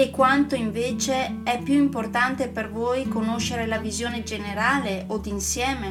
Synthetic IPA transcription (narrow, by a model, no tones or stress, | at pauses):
ekːwant̪oiɱveːt͡ʃeɛpːjuimport̪ant̪epervojkonoʃːeɾelavizjoːned͡ʒeneɾaːleʔod̪insjɛːme